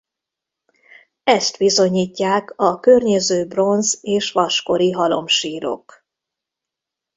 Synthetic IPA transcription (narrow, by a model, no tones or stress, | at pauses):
ɛst̪ʋizo̞ɲiːcːaːkɒkørɲɛzøːbro̞nzeːʃʋɒʃko̞ɾiɦɒlo̞̰mʃiːɾo̞̰k